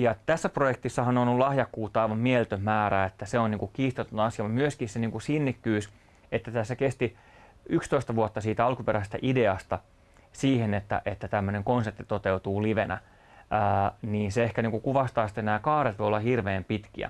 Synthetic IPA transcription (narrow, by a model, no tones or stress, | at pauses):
jɑt̪æsːæprojek̚t̪isːɑhɑnonolɑhjɑkːuːt̪ːɑɑiʋɑmmielt̪ømmæːɾæet̪ːæseonniːŋkukkiːst̪et̪unːɑɑsijɑmut̪myøskisseniːŋkusinːikːyːs | et̪ːæt̪æsːækest̪i | ykst̪oist̪ɑʋuot̪ːɑsiːt̪æɑlkupeɾæsest̪æ̰ʔideɑst̪ɑ | siːhenet̪ːæ̰ʔet̪ːæt̪æmːøneŋkonsep̚t̪i̥t̪ot̪eut̪uːliʋenæ̰ː | niːnseehkæniːŋkukuʋɑst̪ɑːst̪ːenæːkɑːret̪ʋojolːɑhirʋeːmpit̪kḭæ̰